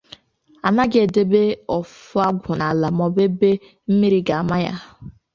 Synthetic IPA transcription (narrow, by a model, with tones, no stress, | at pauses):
a˨na˦ɡe˨de˦be˦ɔ˨fʊ˦a˦ɡʷʊ˨na˨la˨mɔ˨be˦be˦ | m̩˦mi˦ɾi˦ɡa˨a˨ma˦ja̰˦